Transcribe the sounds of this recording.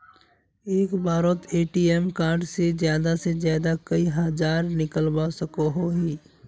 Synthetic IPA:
eːkbaːɾət̪ʰeːʈiemkãːɖsed͡ʒjaːd̪asezjaːd̪akəiɦad͡ʒaːɾnɪkəlbasəkoɦoɦiː

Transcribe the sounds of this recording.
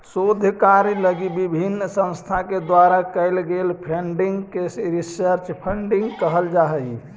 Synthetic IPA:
sod̪ʱəkaɾjləɡibibʱinːsə̃nst̪ʰaked̪waɾakəɪlɡelpʰɾeɳɖiŋɡkeɾisəɾt͡ʃpʰəɳɖiŋɡkəɦəld͡ʒaɦəj

